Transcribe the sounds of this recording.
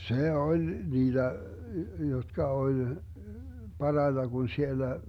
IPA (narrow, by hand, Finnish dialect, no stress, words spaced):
se olʲ niːd̥æ jotkɑ olʲ pɑrɑitɑ ɡ̊un sielːæ